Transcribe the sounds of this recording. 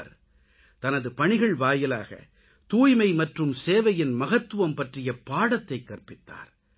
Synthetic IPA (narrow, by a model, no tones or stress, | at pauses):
ɾ | t̪ɐnɐðɯpɐɳɪɣɐɭʋaːjɪla̰ːɣɐ̰ | t̪uːjmɐɪmɐʈrɯmseːʋɐjɪnmɐɣɐt̪ːɯʋɐmpɐʈrɪjɐpaːɽɐt̪ːɐɪkːɐrpɪt̪ːa̰ːɾ